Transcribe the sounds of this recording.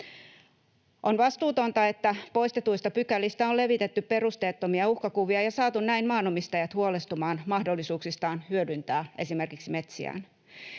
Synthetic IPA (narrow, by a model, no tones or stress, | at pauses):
ʔonʋɑst̪uːt̪o̞nt̪ɑe̞t̪ːæpo̞ist̪et̪uist̪ɑpykælːist̪æole̞ʋit̪et̪ːyppe̞rust̪eːt̪ːomiɑuhkɑkuʋiɑjɑsɑːt̪unnæinmɑːnomist̪ɑjɑt̪huolest̪umɑːnmɑhdolːisuːksist̪ɑːnhyødynt̪æːʔe̞sime̞rkiksime̞t̪sḭæ̰ːn